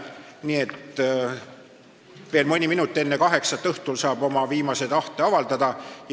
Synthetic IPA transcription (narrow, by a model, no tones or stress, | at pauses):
niːe̞t̪ | ve̞ːlmɯnʲiminut̪ːˑe̞nːekɑɦe̞ksɑt̪ːˑɤht̪ulsɑːb̥o̞mɑviːmɑse̞d̪̥ɑht̪e̞ɑvɑld̪ɑd̪̥ɑj